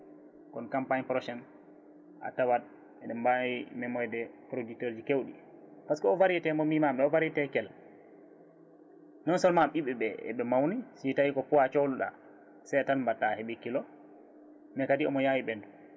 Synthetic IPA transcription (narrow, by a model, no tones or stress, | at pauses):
kɔnkampaɲpɾɔʃɛn | ʔa̰tawad̚ | ɛdɛmbawimɛmɔjdɛpɾoduktɔɾd͡ʒikewɗḭ | paskɔɔvaɾɛtɛmɔmimamɗɛɔvaɾɛtɛkɛl | nɔnsɔlmamɓiɓɛɓɛɛ̰ɓɛmawnisitajikɔkuwat͡ʃowluɗa̰ | sɛtanbatːahɛɓekːilɔ | mɛkadiɔ̰mɔjawiɓɛndu